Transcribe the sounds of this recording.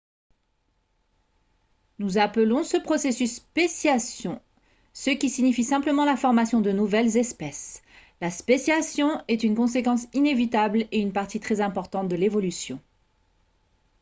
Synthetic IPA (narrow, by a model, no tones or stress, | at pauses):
nuzapəlɔ̃səpχɔsesysːpesjasjɔ̃ | səkʲisiɲifisɛ̃pləmɑ̃lafɔʁmasjɔ̃d̪ənuvɛlzɛspɛs | laspesjasjɔ̃ɛt̪ynkɔ̃s̬ekɑ̃sinevit̪ableynpaʁt̪it̪χɛzɛ̃pɔʁt̪ɑ̃t̪̚d̪əlevɔlysjɔ̃